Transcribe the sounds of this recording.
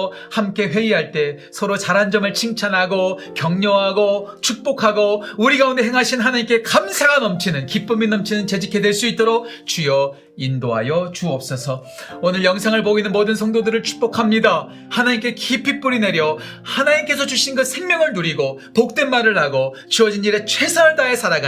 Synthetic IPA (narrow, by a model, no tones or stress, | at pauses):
hamk͈e̞ɸwe̞iɦaɭt͈e̞ | sʰʌɾot͡ɕaɾɦand͡ʑʌmɯɭt͡ɕʰiŋt͡ɕʰanɦaɡokjʌŋɲʌɦaɡot͡ɕʰuk̚p͈okʰaɡouɾiɡaunde̞ɦeŋɦaɕʰinɦanaɲimke̞kamsʰaɡanʌmt͡ɕʰinɯnkip͈ɯminʌmt͡ɕʰinɯnt͡ɕe̞d͡ʑikʰːe̞dwe̞ɭs͈uit̚t͈oɾok̚ | t͡ɕujʌ | indoɦa̰jʌt͡ɕuʌp̚s͈ʌsʰʌ | onɯɭjʌŋsʰaŋɯɭpoɡinɯnmodɯnsʰʌŋdodɯɾɯɭt͡ɕʰu̥k̚p͈okʰamɲida | hanaɲimk͈e̞kipʰip͈uɾine̞ɾjʌ | hanaɲimk͈e̞sʰʌt͡ɕuɕʰinɡʌsʰe̞ŋmʲjʌŋɯɭnuɾiɡopok̚t͈we̞nmaɾɯɭɦaɡo | t͡ɕɯʌd͡ʑiniɾe̞t͡ɕʰwe̞sʰaɭdaesʰaɾaɡa